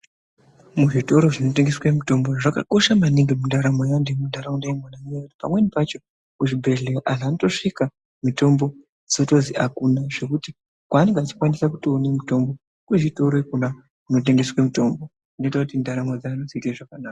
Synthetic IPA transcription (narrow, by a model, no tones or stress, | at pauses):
muʐito̞ɾo̞ʐinot̬e̞ŋɡe̞swemuto̞mboʐaka̰ko̞ʃamaniŋɡemundaɾamwejandemundaɾamondeemwanamejati̥pa̰mwe̞nipat͡ʃo̞ | kuʐibʱe̞ɮe̞oʔaʐaːnoto̞ʂika | mito̞mbo̞ | d͡zoto̞ziʔakunaʐ̥e̞kuti | kwaːne̞ŋɡeat͡ʃi̥kwanisakutoːnemito̞mbo | kuʐito̞ɾwekuna | kuno̞t̬e̞ŋɡe̞swemito̞mbo̞ | inoitakutindaɾamod͡zaːnoziteʐakanaːka